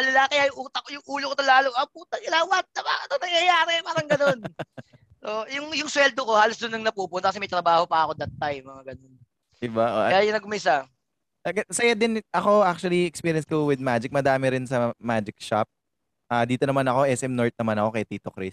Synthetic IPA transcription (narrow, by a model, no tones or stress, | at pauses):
ɐlɐlakɐjaʔjʊŋʔuːt̪ɐkojʊŋʔuːlokot̪ɐlaːloʔɐpuːt̪ɐkɪlawat̪̚ːɐpaːkɐt̪onɐŋjɐjaːɾɛpaːɾɐŋɡɐnon | ʔoʔjʊŋjʊŋswɛld̪oko̞haːlosd̪ʊnːɐŋnɐpuːpʊnt̪ɐkɐsɛmɐjt̪ɾɐbaːho̞pɐɐko̞d̪ɐt̪ːajmɐŋaɡɐnon | d̪ɪbaʔokɐjajʊnɐɡʊmɐɪɪsa | kɐsɐjɐd̪ɪnʔɐko̞ak̚t͡ʃuɐliɛkspiːɾjɐnskowɪd̪̚mad͡ʒɪk̚mɐd̪aːmɛɾɪnsɐmad͡ʒɪk̚ʃa̰p̚ | ʔaːd̪iːt̪o̞nɐmanɐko̞ʔɛsʔɛmnoɹt̪̚nɐmanɐko̞kɐjt̪iːt̪okɾɪs